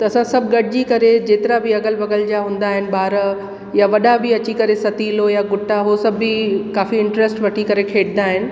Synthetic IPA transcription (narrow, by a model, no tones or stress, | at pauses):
t̪ɐːsãsɐbʱɡɐʈɪd͡ʑikɐɾed͡ʑeːt̪ɪɾabiɐɡəlʋɐɡəld͡ʑaɦũːn̆d̪aːɦɪnɪ̆baːɾ | jaʋɐɗabɪɐt͡ɕikɐɾesɐt̪ilojaɡʊʈʰːaɦosɐbʱːikaːfiɪ̃ɳʈɾesʈʋɐʈʰikɐɾekʰeːʈʰnd̪aːɦɪnɪ̆